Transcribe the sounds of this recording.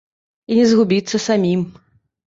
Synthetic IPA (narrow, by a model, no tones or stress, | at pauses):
inʲɛzɣubʲit̪sːɐsamʲim